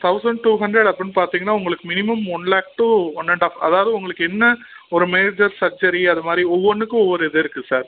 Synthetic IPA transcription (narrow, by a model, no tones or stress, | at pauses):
t̪ʰɐʊsɐɳɖ̚ʈuːɦɐɳɖɾɛɽɐpːɐɾɪnːɯpaːɾt̪iːŋɡɐnːaːʊŋɡɐɭɯkːɯmɪnɪmɐmʊnlaːk̚ʈːuɔnːɐɳɖaːfɐ̰ðaːʋɐðɯʊŋɡɐɭɯkːɯɛnːɐ | ɔɾɯmeːd͡ʒɐɾsɐɾd͡ʒɐɾiɐðɯmaːd̪ɾiɔʋːɔnːɯkːɯ̃ɔʋːɔɾɛðɯɪɾɯkːɯsaːɾ